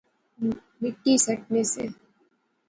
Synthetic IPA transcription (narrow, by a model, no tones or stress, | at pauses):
mɪʈːisɐʈnesḛ